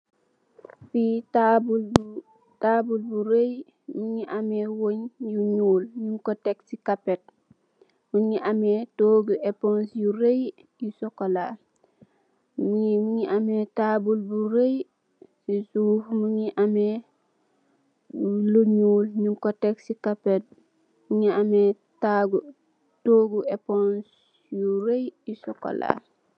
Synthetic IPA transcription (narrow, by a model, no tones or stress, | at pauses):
fitabul | tabulbuɾej | muɲiʔamewoɲjuɲuːlɲuŋkoteksikapet̚ | muɲiʔametoːɡuʔepõnsjuɾej | jusokolal | mmuɲiʔametabulbuɾej | sisuːfmuɲiʔame | buloɲuːlɲuŋkoteksikapet̚ | muɲiame | taɡu | toːɡuepons | juɾejisoko̰la̰l